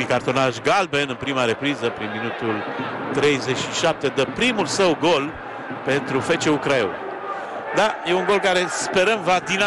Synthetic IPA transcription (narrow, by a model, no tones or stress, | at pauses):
ikart̪o̞naʃɡalbe̞nɨnpɾimaɾe̞pɾizəpɾinminut̪ult̪ɾe̞jze̞t͡ʃʲʃiʃap̚t̪e̞d̪əpɾimulsəwɡo̞l | pe̞nt̪ɾufe̞t͡ʃeukɾao̰n | d̪aje̞uŋɡo̞lkaɾe̞spe̞ɾəmvad̪ina